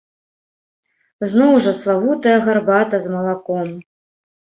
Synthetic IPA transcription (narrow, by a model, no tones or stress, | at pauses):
znɔwʐɐslˠavut̪ɐjɐɣarbat̪ɐzmɐlˠakɔm